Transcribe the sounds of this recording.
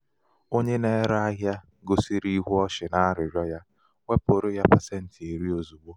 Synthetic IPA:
o˦ɲe˦ne˦ɾa˦a˦ɦja˦ | ɡʊ˨si˦ɾi˦ɦu˦ɔ˦ʃɪ˨na˦a˦ɾɪ˨ɾjɔ˦ja˦ | wʷe˦po˨ɾo˦ja˦pa˨se˦n̩˦tɪ˨e˨ɾi˦o˨zu˨ɡ͡bo˦

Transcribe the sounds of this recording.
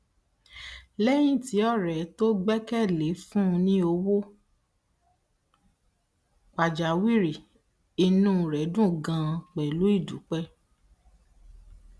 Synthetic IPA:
lɛ˦j̃ĩ˦˨ti˨˦ɔ˦˨ɾɛ˨to˦ɡ͡bɛ˦kɛ˦˨le˨˦fũ˦˧nĩ˦o˧wo˦ | k͡pa˨d͡ʒa˨˦wi˦˨ɾi˨ | i˧nũ˦˧˨ɾɛ˨˦dũ˦˨ɡã˧k͡pɛ˨lu˨˦i˦˨dṵ˨˦k͡pɛ˦

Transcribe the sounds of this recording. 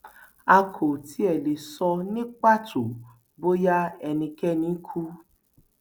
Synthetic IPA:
a˧kʰo˨ti˨˦ɛ˦˨le˨sɔ˧nĩ˦k͡pa˦˨tʰo˨ | bo˦ja˦ɛ˧nĩ˧kɛ˦nĩ˨˦kʰu˦

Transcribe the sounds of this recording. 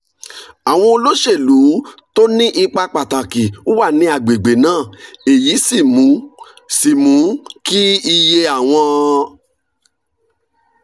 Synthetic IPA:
a˨w̃ɔ̃˧o˧lo˦ʃe˦˨lu˨˦to˦nĩ˦ʔi˧k͡pa˧k͡pa˨ta˨ki˨o˦wa˦˨nĩ˨˦a˨ɡ͡be˨ɡ͡be˨nãː˦˨e˨ji˨˦si˦˨mũ˨˦ | si˨mũ˨˦ki˦i˧je˧a˨w̃ɔ̃˧

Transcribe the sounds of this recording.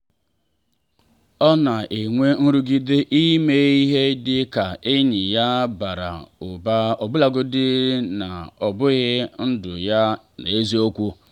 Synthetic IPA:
ɔ˦na˨ʔe˨ŋʷe˦n̩˦ɾu˦ɡi˦de˦ʔi˦me˦i˦ɦe˦dɪ˦ka˨e˦ɲɪ˨ja˦ba˨ɾa̰˨ʊ˨ba˦ɔ˨bʊ˦la˨ɡʊ˦dɪ˦na˨ɔ˨bʊ˦ɣɪ˦n̩˦dʊ̰˨ja˦ | na˨e˦zi˦o˦kʷu˦

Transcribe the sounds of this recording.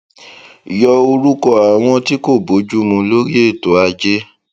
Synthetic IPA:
jɔ˧o˧ɾu˦kɔ˦a˨w̃ɔ̃˧ti˦ko˦˨bo˨˦d͡ʒu˦mũ˧lo˦ɾi˦e˦˨to˨˦a˧d͡ʒe˦

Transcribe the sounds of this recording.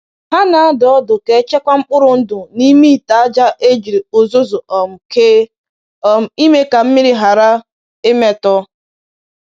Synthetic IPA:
ɦa˦na˨a˦dɔ˦dʊ˨ke˨˦t͡ʃe˦kʷa˦ŋ͡m̩˦k͡pʊ˦ɾʊ˨n̩˦dʊ˨ni˦mi˦i˨ta˨a˦d͡ʒa˦ʔe˦d͡ʒi˨ɾi˨o˨zo˦zo˨ʔɔ˨m̩˨ke˦˨ | i˦me˦ka˨m̩˦mi˦ɾi˦ɦa˨ɾa˦ | e˦me˦tɔ˦

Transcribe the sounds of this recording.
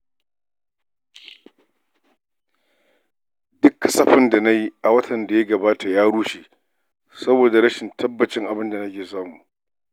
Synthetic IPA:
dʊ˦kʰːɐ˦sɐ˨ɸɪ˦nda˨na˦ji˦ʔa˨wɐ˦tʰɐ˨nda˨jɐ˦ɡɐ˨baː˦tʰa˨jaː˦ɽuː˦ʃeː˨ʔ | sɐ˦boː˨da˨ɾɐ˦ʃɪ˨ntʰɐ˦bːɐ˨t͡ʃɪ˦ŋʔa˨bɪ˦nda˨nɐ˦kʲeː˨s̬aː˦mu˨ʔ

